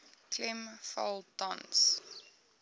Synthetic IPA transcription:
klɛmfa̰lˠta̰ns

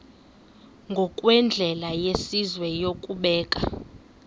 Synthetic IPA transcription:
ŋɡʱɔkʼwɛnd͡ɮʱɛlajesizwɛjokʼuɓɛːkʼa

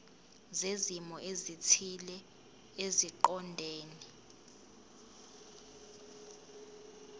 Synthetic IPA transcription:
zezimɔʔezitʰilɛ | eziǃɔndʱeːni

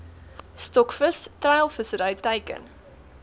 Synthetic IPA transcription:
stɔkfəstrɐjəlˠfəsəɾəjtəjkə̰n

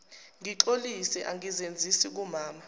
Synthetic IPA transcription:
ŋiǃolisɛʔaŋizend͡zʱisik̬umaːma

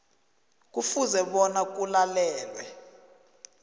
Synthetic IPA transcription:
k̬ufuzɛɓɔnak̬ulalɛːlwɛ

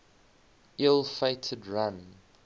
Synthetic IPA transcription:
ʔɪlˠfeɪtʰədɹãn

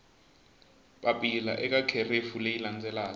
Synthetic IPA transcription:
ɓapʼila̰ʔɛk̬ʼakʰerefulejiland͡zʱɛlaːɔ

